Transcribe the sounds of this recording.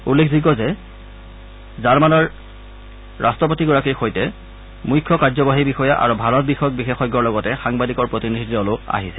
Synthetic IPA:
ulːekʰziɡɔzɛ | zaɹmanɔɹ | ɹastɔp̬otiɡɔɹakixojtɛ | mujkʰːɔkaɹzɔbaɦibixɔjaʔa̰ɹubʱaɹɔt̚bixɔjɔk̚bixexɔjɡɔɹlɔɡɔtɛxaŋbadikɔɹpɹotinidʱidiɔlʊa̰ɦisɛ̥

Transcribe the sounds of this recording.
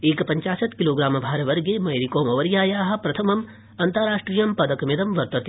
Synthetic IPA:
eːkɐpɐɲt͡ʃaːsɐt̪kiloːɡɾaːmɐbʱaːɾɐʋɐɾɡeːmɐjɾikoːmɐʋɐɾjaːjaːɦɐ̆pɾɐt̪ʰɐmɐm | ɐnt̪ɐɾaːʂʈɾiːjɐmpɐd̪ɐkɐmid̪ɐmʋɐɾt̪ɐt̪

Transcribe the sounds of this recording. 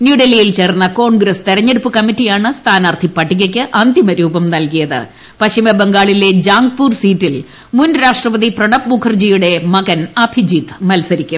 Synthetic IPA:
njuɖelijilt͡ɕe̞ːrnːɐko̞ːɳɡɾɐst̪eɾɐɲːeɽupːɨkɐmːitːijaːɳɨst̪ʰaːnaːrt̪ʰipːɐʈːiɣɐkʲːɨʔɐnd̪imɐɾuːbɐmnɐlkijɐðɨ̰ | pɐɕimɐbeŋɡaːɭile̞d͡ʑaːŋɡpuːrsiːtːil | munɾaːʂʈrɐʋɐðiprɐɳɐpmukʰɐrd͡ʑijuɽe̞mɐɣɐnɐbʱʰid͡ʑiːt̪mɐlsɐɾikʲːum

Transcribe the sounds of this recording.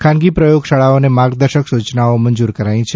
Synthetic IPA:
kʰãnɡipɾəjoɡʃaɭaonemaɾɡd̪əɾʃəksut͡ʃnaomənd͡ʒuɾkəɾaĩt͡ʃʰe

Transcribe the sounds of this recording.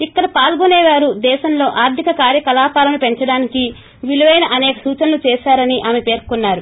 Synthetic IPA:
ikːɐɽɐpaːlɡunɛːʋaːɾud̪ɛːʃɐmlo̞ːʔaːɾt̪ʰikɐkaːɾjɐkɐlaːpaːlɐmupe̞ɲt͡ʃɐɽaːniki | ʋiluʋɐjnɐʔɐnɛːkɐsuːt͡ʃɐnɐlut͡ʃɛːʃaːɾɐniʔaːmepe̞ːɾkunːaːɾu

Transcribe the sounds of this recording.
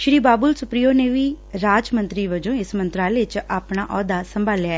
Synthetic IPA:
ʃɾiːbaːbʊlsʊpɾijoːneːʋiː | ɾaːd͡ʒmə̃nt̪ɾiːʋəd͡ʒõːɪsmənt̪ɾaːlet͡ʃaːpɳaːʔɔːd̪aːsəmbʱaːljaːɛ

